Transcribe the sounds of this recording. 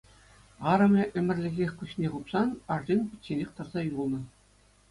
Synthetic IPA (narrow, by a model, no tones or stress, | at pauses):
ɑɾɤ̆mʲeʔɘ̆mʲɘ̆rʲlʲɘ̆ɡʲexʲkuɕnʲeʁupsɑnɑʐdinʲpʲɘ̆t̪ʲːenʲexʲt̪ɤ̆rzɑjulˠnɤ̆